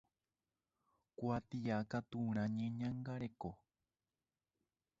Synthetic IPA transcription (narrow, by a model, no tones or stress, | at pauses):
kwat̪iakat̪uɾ̃ãɲẽɲãŋɡaɾeko